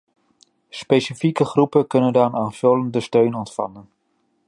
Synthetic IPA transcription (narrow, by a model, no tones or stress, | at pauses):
spejsifikəχrupəkɵnəndaːnaːnføləndəstøɥnɔntfɑ̰nən